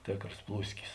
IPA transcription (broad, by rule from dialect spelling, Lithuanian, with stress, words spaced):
ˈtʲeːkroːs ˈplˠuːsʲkʲɪs